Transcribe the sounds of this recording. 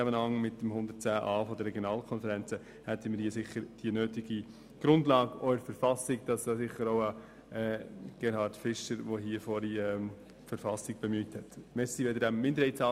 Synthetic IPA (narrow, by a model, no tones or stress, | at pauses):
æmənhɑŋmɪtːəmhʊnd̪ət̚t͡sæːʔɑːfɔd̪əɾɛɡjonɑːlkʰɔnfəɾænt͡sə | hɛtʰəməɾhiːəsɪχəɾd̥iənøːtiɡ̥i | ɡ̥ɾʊndlɑːɡɔɾfəɾfɑsɪkd̥ɑsɑsɪχəɾoʊə | ɛːɡ̥ɛɾhɑːɾtfɪʃəɾʋoɦiːəfɔɾiɛm | fəɾfɑsɪɡ̚b̥emyːthɛtmɛsiʋɛd̪əɾdæmmɪndəɾhɛɪtt͡sɑː